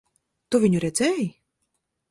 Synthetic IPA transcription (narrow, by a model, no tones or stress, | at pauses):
t̪uvʲiɲʲuɾɛd̪zʲɛj